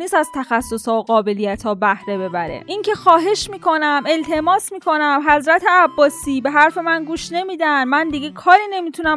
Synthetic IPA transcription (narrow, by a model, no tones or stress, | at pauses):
niːsæz̥t̪ʰæxæsːo̞shɒːoɡɒːbe̞lijæt̪ʰɒːbæhɾe̞be̞bæɾḛʔincʰe̞xɒːɦe̞ʃmiːkʰo̞næme̞lt̪ʰe̞mɒːsmiːkʰo̞næmɦæzɾæt̪ʰe̞æbːɒːsiːbe̞ɦæɾfe̞mænɡuːʃne̞miːd̪ænmænd̪iɟe̞kʰɒːɾiːne̞miːt̪ʰunæ